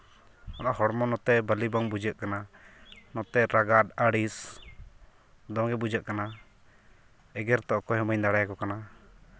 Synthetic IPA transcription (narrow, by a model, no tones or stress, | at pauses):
ɔnaʔhɔɽmɔnɔt̪ɛbəlibaŋbud͡ʒəʔkananɔt̪ɛɾaɡad̪̚aɽis | d̪ɔŋɡɛbud͡ʒəʔkana | ɛɡɛɾt̪ɔʔkɔɦɛməɲd̪aɽajakɔkana